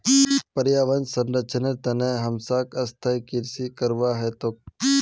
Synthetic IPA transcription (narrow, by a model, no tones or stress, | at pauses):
pəɾjaːʋənsənɾət͡ʃʰənet̪ɐnẽɦəmsaːkəst̪ʰajkɪɾsikəɾʋaːɦɛt̪oː